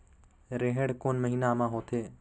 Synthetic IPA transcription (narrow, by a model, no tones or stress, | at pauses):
ɾeɦəɽkoːnməɦiːnamãːɦoːt̪ʰeː